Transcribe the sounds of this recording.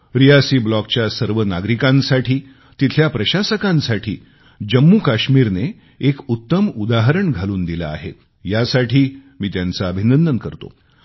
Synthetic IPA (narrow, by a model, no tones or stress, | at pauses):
ɾiasiːblɔk̚t͡ɕjasəɾʋənaɡɾikãnsaʈʰiː | t̪it̪ʰljapɾəɕasəkãnsaʈʰiː | d͡ʑəmːuːkaɕmiːɾneː | kut̪ːəmud̪aɦɾəɳɡʱaluːnd̪ila̰ːɦḛt̪ | jasaʈʰiːmiːt̪jant͡saəbʱinənd̪ənkəɾt̪o̰